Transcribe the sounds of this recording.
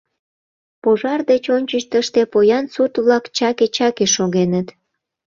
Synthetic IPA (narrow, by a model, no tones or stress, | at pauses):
poʒɑrd̪et͡ɕonʲt͡ɕəʃt̪əʃt̪epojɑnsut̪βlɑkt͡ɕɑket͡ɕɑkeʃoɣenət̪